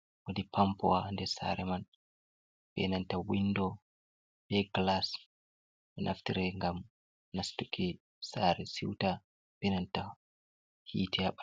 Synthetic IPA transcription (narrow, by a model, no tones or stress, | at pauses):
wodipʰampɔwandɛsa̰ɾɛman | ɓɛ̰nantawinːdɔ | bɛɡlas | ɓɛnʔa̰ftiɾɛŋɡam | nastukʰi | saːɾɛsiwta | ɓɛnanta | hiːtʰɛaɓḁ